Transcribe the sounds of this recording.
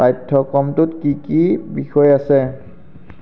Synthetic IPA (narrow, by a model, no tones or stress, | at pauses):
pajtʰːɔkɔmtʊtkikibixɔjasɛ